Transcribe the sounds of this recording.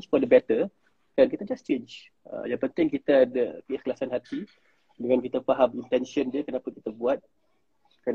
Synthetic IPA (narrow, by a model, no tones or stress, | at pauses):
t͡ʃfɔdəbɛt̪ə | kankit̪ad͡ʒast͡ʃent͡ʃ | ə̰jãŋpənt̪ɪŋkit̪aːdəkəhkəlasanɦat̪i | dəŋankit̪afaɦamint̪ɛnsəndiəkənapakit̪abuat̪̚ | kə